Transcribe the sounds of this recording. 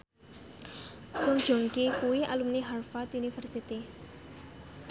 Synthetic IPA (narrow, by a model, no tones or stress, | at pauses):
suŋ̥ʒ̥o̤ŋkikuwia̰lumniɦarfat̪unifɛrsit̪i